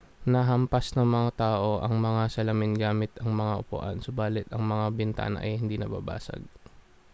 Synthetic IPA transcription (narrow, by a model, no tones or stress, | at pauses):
nɐɦɐmpɐsnɐŋmɐŋat̪aːʔo̞ʔɐŋmɐŋasɐlɐmɪnɡaːmɪt̪ɐŋmɐŋaʔʊpʊ̰ʔa̰nsʊbaːlɪt̪ɐŋmɐŋabɪnt̪a̰ːnɐ̰ʔɐ̰jhɪnd̪inɐba̰ːba̰ːsɐ̰ɡ̚